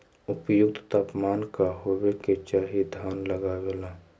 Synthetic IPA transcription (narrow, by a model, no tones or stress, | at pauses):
ʊpjʊkt̪t̪aːpmaːnkaɦoːweket͡ʃaːɦid̪ʱaːnləɡaɡeːlaː